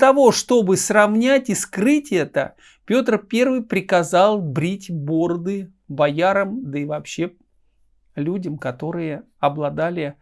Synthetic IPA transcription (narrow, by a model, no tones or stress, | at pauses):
t̪ɐvo̞ʂt̪o̞bɨsrɐvnʲætʲɪskrɨtʲɛt̪ə̰ | pʲo̞t̪rpʲe̞rvɨjpɾʲɪkɐzɑlˠbɾʲitʲbo̞rd̪ɨ | bɐjaɾəmd̪əɪvɐpɕːe̞ | lʲudʲəmkɐt̪o̞ɾɨjə | ɐblˠɐd̪alʲɪ